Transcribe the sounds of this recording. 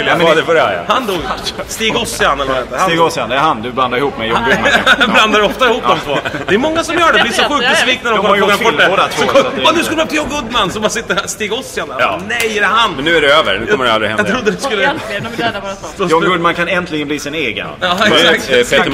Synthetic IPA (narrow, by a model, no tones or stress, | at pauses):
jmɛd̪ɛfɔɾɛ̰hand̪uːɡst̪iːɡɔsːɪanɛlːəaad̪ɛnəhaiːɡɔsɪand̪ɛɾhand̪ɵbland̪aɾɪhuːpːmɛjɔŋɡɵmbland̪aɾɔft̪aɪhuːpːd̪ɔmt̪voːd̪ɛmɔŋːasɔmjœːɖɛblɪːsɔɧʉkk̚bɛsviːk̚næɾɔkɔɔmːɾabɔlːɛoːd̪at̪ʰɔɔɛnd̪ʉskɵlːəmɛp̪ʰjɔŋɡɵd̪mansɔmbasɪt̪ːəst̪iːɡɔsːɪananɛjɛɾɛhanmɛnːʉ̟ːæɖɛøːvə̰ɾnʉɔmːəɾa̰lɾɪhɛ̰j̪ʰɾʊd̪ːəd̪ɛskɵlːə | ɔjɔŋɡɵd̪mankʰanɛnt̪ʰlɪɡəbliːsɪneːɡə̰jɑːɛpʰet̪